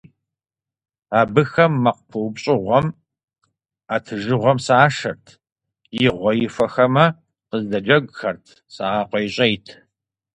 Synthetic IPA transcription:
aːbɨxɐmːɐqpʰuwbɕʼɪʁʷɔm | aːtʰɨʒɨʁʷɔmsaːʂɐrtʰ | jɪʁʷɔjɪfɐxɐmɐ | qəzdɐd͡ʒɐɡʷxɐrtʰ | saːɑːqʷɔjɪɕʼejtʰ

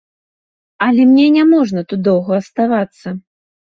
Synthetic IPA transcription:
ɐlʲɛmnʲɛnʲamɔʐnɐt̪ud̪̚d̪ɔwɣɐɐst̪avat̪sːɐ

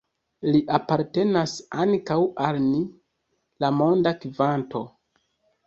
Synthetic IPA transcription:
liʔapaɾte̞nasaŋkawʔalni | lamo̞ndakivanto̞

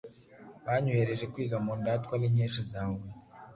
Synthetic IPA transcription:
βaɲueɾeʒekwiːɡamuːndaːtkwaneɲeːʃizaːwe

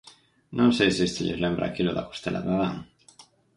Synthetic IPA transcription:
nʔõnsejsest̪eʎezlembɾa̰ːkiloðako̥st̪elʔa̰βaβaŋ

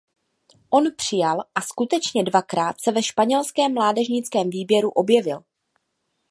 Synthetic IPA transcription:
ʔo̞npr̥ɪjalʔaskut̪ɛt͡ʃɲɛdvakɾaːt̪sɛvɛʃpaɲɛlskɛːmːlaːdɛʒɲɪt͡skɛːmviːbjɛɾuʔo̞bjɛvɪl

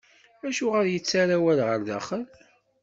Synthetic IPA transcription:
æʃuʁəɾjət͡sːaɾawælʁəɾðæ̰χəl

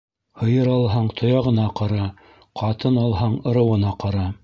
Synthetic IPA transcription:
hɤ̆jɤɾɑlˠɦɑɴt̪ʰŏjɑʁɤ̆nɑqɑɾɑ | qʰɑt̪ɤnɑlˠɦɑɴɤ̆ɾɤ̆wɤ̆nɑqɑɾɑ

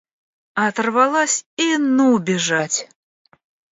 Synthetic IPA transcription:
ɐt̪rvalˠasʲinuwbʲɛʐat͡sʲ

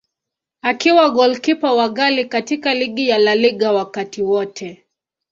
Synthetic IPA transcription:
akiwaɠɔlkipawaɠalikatikaliɠijalaliɠawakatiwɔtʰɛ

